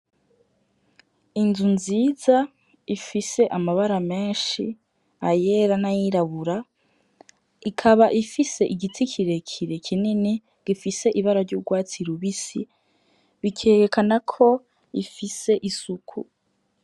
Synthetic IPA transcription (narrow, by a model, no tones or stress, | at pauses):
inzunziːza | ifise̞ʔamaβaɾame̞ːnʃi | ajeɾanajiɾaβuɾa | ikʰaβaʔifise̞ʔiɡitʰikʰiɾe̞kʰiɾe̞kʰinini | ɡ̥ifise̞ʔiβaɾaɾɟuːɡwaːt͡siɾuβisi | βikʰeːɾekʰanakʰo̞ | ifise̞ʔisukʰṵ